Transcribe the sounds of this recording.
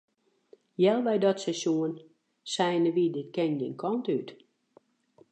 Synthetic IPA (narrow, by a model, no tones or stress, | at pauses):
jɛlˠʋɛjdɔtsɛsjuən | sɛjnəʋidɪtkɛndɪnkʰɔntyt